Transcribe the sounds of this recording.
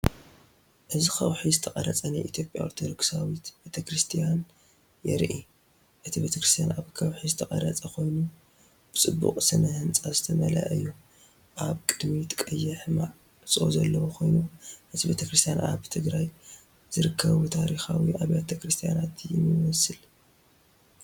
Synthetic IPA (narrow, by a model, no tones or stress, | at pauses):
ʔɨzixɐwħizɨt̪ʰɐkʼɐɾɐt͡sʼɐnajʔit̪ʰjo̞pʼja̰ʔoɾt̪ʰod̪o̞ɡsawit̪bet̪ʰɐkɾɨst̪ʰijan | jɛ̰ɾʔi | ʔɨt̪ʰibe̞t̪ʰɐkɾɨst̪ʰijanʔaβkʰɐwħizɨt̪ʰɐkʼɐɾɐt͡sʼɐkʰo̞jnu | b̥ɨt͡sʼɨbːṵqʼsɨnɐhɨnt͡sʼazɨt̪ʰɐmɐla̰ʔɐjːu | ʔaβkʼɨd̪mit̪kʼɐjːɐħmaʕ | sʼo̰zɐlːɐwokʰo̞jnuʔɨt̪ʰibe̞t̪ʰɐkɾɨst̪ʰijanʔa̰βt̪ʰɨɡɾaj | zɨɾɨkʰːɐβut̪ʰaɾixawiʔaβjat̪ʰɐkɾɨst̪ʰijanat̪jɪmɨwɔsɨl